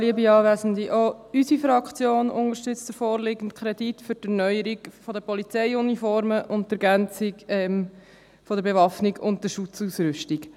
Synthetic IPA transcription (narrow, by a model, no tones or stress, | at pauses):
liəbiɑːvɛzən̩d̪iʔoysifɾɑkʰt͡sjoːnʊnəʃtʏt͡st̪əfoːɾlɪɡən̩tkʰɾɛditfʏɾtɛɾnœjəɾiɡfɔdəpɔlit͡sɛɪunifɔɾməʔʊnttɛɾɡænt͡siɡɛm | fɔdəɾbevɑfniɡʊntdəʃʊt͡suːsɾʏʃtiɡ